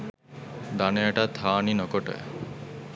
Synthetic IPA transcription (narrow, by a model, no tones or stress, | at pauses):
d̪anejaʈat̪ʰːaːninokoʈə̰